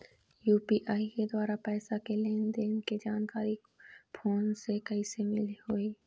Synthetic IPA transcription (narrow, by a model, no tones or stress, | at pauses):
juːpiʔaːiked̪waːɾapɛːsakeleːnd̪eːnked͡ʒaːnkaːɾi | pʰoːnsekɐisemɪliɦoːiː